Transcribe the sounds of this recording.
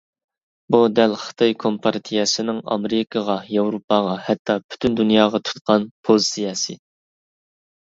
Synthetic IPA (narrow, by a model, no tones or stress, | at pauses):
bud̪ɛlχɨ̥t̪ʰɑjkʰompʰɑɾt̪ʰijɛsɪnɪŋɑ̰mɾɨkʰəʁɑjɑwɾupɑʁɑhɛt̪ʰːɑpʰy̥t̪ʰynd̪unjɑːʁɑt̪ʰu̥t̪̚qɑnpʰozsijɑːsɨ̰